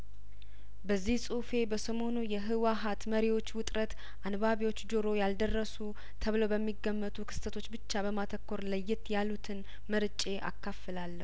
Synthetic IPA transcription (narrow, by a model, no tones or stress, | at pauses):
bəzːihsʼufe̞bəsəmo̞nujɛɦɨwaɦat̪məɾiwo̞t͡ʃːwʊt̪ʼɾət̪ | ʔanβaβiwo̞t͡ʃːd͡ʒoɾo̞jald̪ərːəsu | t̪ʰəβlowbəmːiɡːəmːət̪ʰukʰɨ̥st̪ʰət̪ʰo̞t͡ʃːbɨt͡ʃːabəmat̪ʰəkːo̞ɾləjːɪt̪jalut̪ʰɨn | məɾt͡ʃʼeʔa̰kːafːəlalːə̰hu